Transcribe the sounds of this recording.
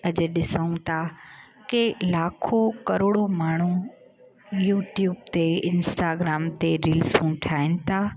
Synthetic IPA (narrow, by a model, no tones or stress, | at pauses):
ɐʄeɗɪsəũt̪ʰa | kelaːkʰokɐɾoːɽomaːɳ̤ũ | juːʈjuːb̚t̪eɪ̃nsʈaːɡɾaːmt̪eɾiːlsũːʈʰaːɦɪnɪt̪ʰaː